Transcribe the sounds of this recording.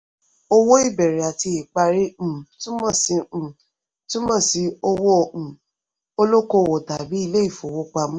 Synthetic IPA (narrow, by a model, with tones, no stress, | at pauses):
o˦wo˦i˦˨bɛ˨ɾɛ˨a˨ti˧e˨k͡pa˧ɾẽ˦˨tũ˦mɔ̃˦˨sĩ˧˦˨ | tũ˦mɔ̃˦˨si˨˧˦o˧wõ˦˨ | o˧lo˦ko˧˨wo˨da˨bi˨˦i˦˧le˦i˦˨fo˨wo˨˦k͡pa˧mũ˦